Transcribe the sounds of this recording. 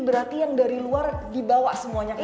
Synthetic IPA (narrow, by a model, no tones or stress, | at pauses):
bəɾart̪ijaŋdaɾiluardibawaʔsəmuaɲai